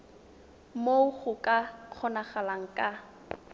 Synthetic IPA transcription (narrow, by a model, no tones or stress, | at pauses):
moʊχʊkʼaq͡χʰɔnaχalaŋ̩kʼa